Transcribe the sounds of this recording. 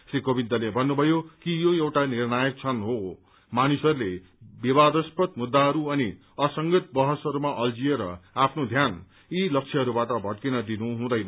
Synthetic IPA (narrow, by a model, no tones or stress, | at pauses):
srikobind̪ʌlebʱʌnːubʱʌjokijoewʈanirnajʌk̚t͡sʰʌnɦo | manusʌɾule | bibad̪ʌspʌt̪̚mud̪ːaɦʌɾuʌni | ʌsʌŋɡit̪̚bʌɦʌsʌɾumaʔʌld͡zieɾʌ̰apʰnod̪ʱjan | ilʌk̚t͡sʰeɦʌɾubaʈʌbʱʌʈkinʌd̪inuɦũd̪ʌjnʌ